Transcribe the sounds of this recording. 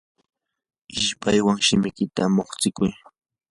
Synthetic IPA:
ɪʃpʰajwaŋʃɪmɪkɪt̪amoχt͡sɪkʊj

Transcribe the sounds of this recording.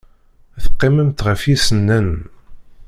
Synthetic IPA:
θə̥qːɪməmt̪ʁəfisənːən

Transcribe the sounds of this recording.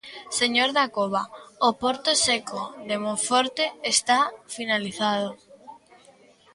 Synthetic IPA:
seɲoɾðakoβ̞aopoɾt̪osekoðemõɱfoɾt̪eest̪afinaliθað̞o

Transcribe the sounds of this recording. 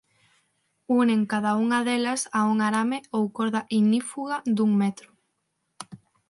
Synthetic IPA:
uneŋkaðauŋɐðelɐsauŋaɾameowkoɾðɐʔinifuɣɐd̪uŋmɛt̪ɾʊ

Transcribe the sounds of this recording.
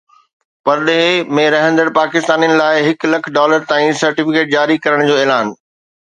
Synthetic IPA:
pɐɾɗeɦemẽɾɐɦə̃nd̪əɽpaːkɪst̪aːnijənɪ̆laːɪɦɪklɐkʰɖɔːləɾt̪ãːĩsɐɾʈɪfɪkeːʈ̚d͡ʑaːɾikɐɾəɽ̃d͡ʑoːeːlaːn

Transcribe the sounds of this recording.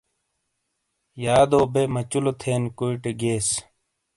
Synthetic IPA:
jaːd̪oːbemɐt͡ɕulot̪ʰeːnkuiʈeɡeːs

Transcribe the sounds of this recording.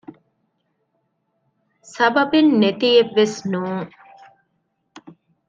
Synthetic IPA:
sɐbɐbenːet̪ijeʋːesnuːŋ

